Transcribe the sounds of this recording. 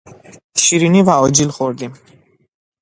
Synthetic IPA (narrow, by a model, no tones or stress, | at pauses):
ʃiɾiniːvæɒːd͡ʒilxoɾd̪im